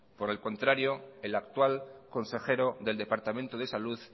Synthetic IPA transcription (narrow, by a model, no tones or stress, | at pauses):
po̞ɾe̞lko̞nt̪ɾaɾjo̞elakt̪walko̞nse̞xe̞ɾo̞ðe̞ld̪e̞paɾt̪amẽnt̪oð̞e̞saluð